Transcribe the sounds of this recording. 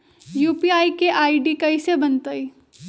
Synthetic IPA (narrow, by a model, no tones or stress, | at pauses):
juːpiaːikeʔaːiɖikɐisebɐnt̪əi